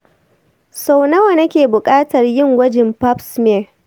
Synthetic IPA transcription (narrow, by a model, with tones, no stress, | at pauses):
sa˨wnɐ˦wɐ˨nɐ˦kʲeː˨bʊ˨kʼaː˦tɐ˨rjɪ˦˨ŋwɐ˦d͡ʒɪ˨mpa˦psmɛ˦˨